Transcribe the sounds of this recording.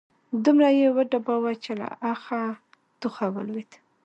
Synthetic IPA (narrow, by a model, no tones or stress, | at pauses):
d̪umɾajewaɖabawat͡ʃela̰ʔaxa | d̪̥uxawə̰lwit̪